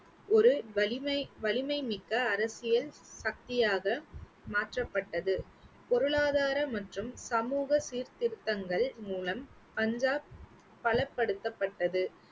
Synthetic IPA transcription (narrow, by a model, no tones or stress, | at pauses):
ɔɾɯɐʋɐlɪmɐɪmɪkːɐːɾɐsɪjɐl | sɐk̚t̪ɪjaːɣɐ | maːʈrɐpːɐʈːɐðɯ | pɔɾɯɭaːðaːɾɐmɐʈrɯmsɐmuːɣɐsiːɾt̪ɪɾɯt̪ːɐŋɡɐɭmuːlɐm | pɐɲd͡ʒaːp | pːɐɭɐpːɐɽɯt̪ːɐpːɐʈːɐðɯ